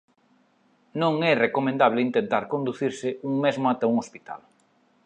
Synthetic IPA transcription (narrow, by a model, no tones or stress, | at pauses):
nõŋɛrekomẽnd̪aβ̞lɪint̪ent̪aɾkond̪uθiɾsɪuŋmezmoat̪auŋospit̪a̰l